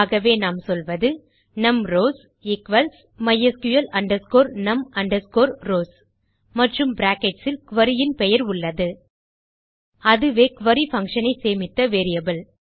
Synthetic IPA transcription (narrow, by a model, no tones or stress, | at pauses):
ɣɐʋeːnaːmsɔlʋɐðɯ | nɐmɾoːs | ɪkʋɐls | mɐjːɐskʊjɐlɐɳɖɐɾskoːɾnɐmɐɳɖɐɾskoːɾɾoːs | mɐʈrɯmbɾaːkɛʈsɪlkʊʋɐɾɪjɪnpɛjɐɾʊɭːɐðɯ | ɐðɯʋeːkʊʋɐɾifɐŋkʂɐnɐɪseːmɪt̪ːɐʋeːɾɪjɐbɐl